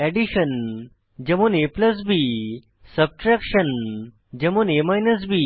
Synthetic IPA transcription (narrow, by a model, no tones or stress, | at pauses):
ɛɖiɕən | d͡ʑemoːneplɐs̬bi | sɐb̚ʈɾɛkʂən | d͡ʑemonemajnəs̬biː